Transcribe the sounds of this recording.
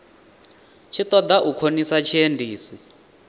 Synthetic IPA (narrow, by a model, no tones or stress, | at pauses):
t͡ʃʰit̪ɔd̪aʔukʰonisat͡ʃʰiendiːsi